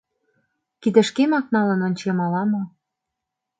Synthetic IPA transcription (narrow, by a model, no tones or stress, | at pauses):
kid̪ə̆ʃkemɑk̚nɑlə̆nonʲt͡ɕemɑlɑmɤ̆